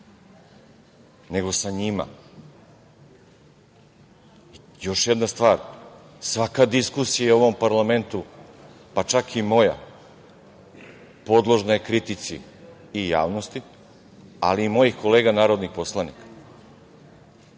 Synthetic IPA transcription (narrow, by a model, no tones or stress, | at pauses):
ne̞ɡo̞saɲima̰ | jo̞ʃjed̪nast̪ʋaːɾsʋakad̪iskusijaeuo̞ʋo̞mpaɾlˠame̞nt̪u | pat͡ʃakʰimo̞ja̰ | po̞d̪lˠo̞ʒnajekɾit̪it̪sḭː | ja̰ːʋnost̪i | a̰liːmo̞jixko̞leːɡanaːɾo̞d̪nixpo̞slˠanikḁ